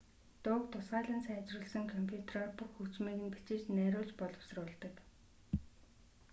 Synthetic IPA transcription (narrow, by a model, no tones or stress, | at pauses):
t̪ʊːkt̪ʰʊsɢaːɮə̆nsæːt͡ɕrɘ̆ɮsə̆ŋkʰɔmpʲʰjut̪ʰrɔːrpuxukt͡smiːɣɘ̆npi̥t͡ɕɪ̆t͡ɕnæːɾʊːɮt͡ɕpɔɮɞ̆wsrʊːɮt̪ə̆k